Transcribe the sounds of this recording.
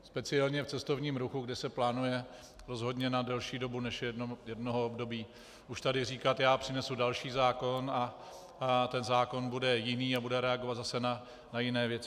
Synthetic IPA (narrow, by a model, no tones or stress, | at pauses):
spɛt͡sɪɛlɲɛft͡sɛst̪o̞vɲiːmɾuxuɡdɛsɛplaːnujɛ | ɾo̞zɦo̞dɲɛnadɛlʃiːdo̞bunɛʃjɛdno̞ɦoobdo̞biː | ʔuʃt̪adɪriːkat̪jaːpr̥ɪnɛsudalʃiːzaːko̞na | t̪ɛnzaːko̞nbudɛjɪniːabudɛɾɛaɡo̞vat̪zasɛna | najɪnɛːvjɛt͡sɪ